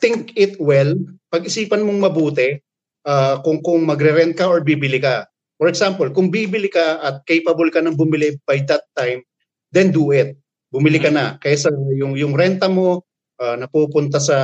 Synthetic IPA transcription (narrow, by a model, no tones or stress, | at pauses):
t̪ɪŋkɪt̪wɛlpɐɡʔɪsiːpɐnmoŋmɐbuːt̪ɛ | ʔaːkʊŋkʊŋmɐɡɾɛɾɛnt̪̚kɐʔoɹbibɪlɪkɐ | fɔɾɛksampɔlkʊŋbiːbɪlɪkɐʔɐt̪̚kejpɐbolkɐnɐŋbʊmɪlɪb̥ajd̪ɐt̪ːajm | d̪ɛnd̪ʊʔɪt̪̚ | bʊmɪlɪkɐnɐkɐjasɐjʊŋjʊŋɾɛnt̪ɐmo̞ | ʔanɐpuːpʊnt̪ɐsɐ